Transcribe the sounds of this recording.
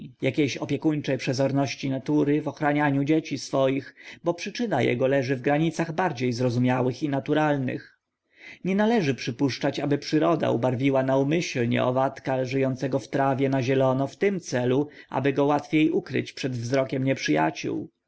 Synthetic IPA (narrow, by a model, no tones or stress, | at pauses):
jakʲejɕɔpʲjɛkuɲt͡ʂɛjpʂɛzɔɾnɔɕt͡ɕinat̪uɾɘvɔxɾaɲaɲud͡ʑet͡ɕisfɔjixbɔpʂɘt͡ʂɘnajɛ̰ɡɔlɛʐɘvɡɾaɲit̪saɣbaɾd͡ʑejzɾɔzumʲjawɘxinat̪uɾalnɘ̰x | ɲɛnalɛʐɘpʂɘpuʂt͡ʂat͡ɕabɘpʂɘɾɔd̪a̰ṵbaɾvʲiwanaumɘɕlɲɛ̰ɔ̰vat̪kaʐɘjɔnt̪sɛɡɔft̪ɾavʲjɛnaʑɛlɔnɔft̪ɘmt̪sɛluʔa̰bɘɡɔwat̪fʲjejʔukɾɘ̰t͡ɕpʂɛd̪vzɾɔkʲɛmɲɛpʂɘja̰t͡ɕṵw